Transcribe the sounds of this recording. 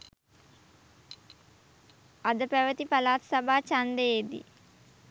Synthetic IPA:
ad̪əpæʋət̪ipalaːt̪sabaːt͡ʃand̪əjed̪ḭ

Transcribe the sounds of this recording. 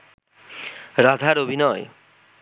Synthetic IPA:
ɾad̪ʱaɾobʱinɔj

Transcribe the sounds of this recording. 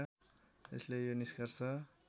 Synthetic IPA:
ḛslejoniskart͡sʰʌ

